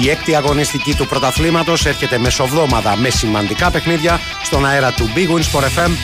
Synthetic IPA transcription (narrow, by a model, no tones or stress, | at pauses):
iek̚t̪iɐɣo̞nist̪icit̪upɾo̞t̪ɐθlimɐt̪o̞se̞ɾçe̞t̪e̞me̞so̞vðo̞mɐt̪ɐme̞simɐnd̪ikɐpe̞xniðʝɐ | st̪o̞nɐe̞ɾɐt̪ubiɣuinsp̪oɾefe̞m